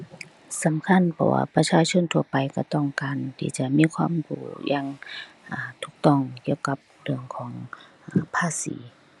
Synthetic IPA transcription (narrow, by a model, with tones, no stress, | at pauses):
sa˨˦mkʰa˧˥˨npʰɔ̰˧wa̰ː˧˨pa˧t͡ɕʰaː˧˨t͡ɕʰo˧˥˨nt̪ʰu˧əpa˨jka˧˩t̪ɔ˧˩˨ŋkaː˨nt̪ʰḭː˧˩t͡ɕa˧˦miː˧˥˨kʰwaː˧˥˨mkṵː˧˩jʔaː˧˥˨ŋ | ʔaː˨˩t̪ʰuː˧˦k̚t̪ɔ˧˩˨ŋki˧˩ə˨wka˧˦p̚dɯ˧˩əŋkʰɔː˨˦ŋ | ʔaː˨˩pʰaː˧˥˨sḭː˨˦